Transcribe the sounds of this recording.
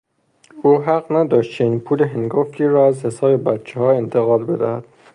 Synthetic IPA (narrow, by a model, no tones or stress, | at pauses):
uːɦæɢnæd̪ɒːʃt̪̚t͡ʃʰeniːnpʰuːleɦeŋɡoftʰiːɾɒːæzhe̞sɒːbe̞bæt̪̚t͡ʃʰehɒːe̞nt̪ʰeɣɒːlbe̞d̪æhæd̪̥̚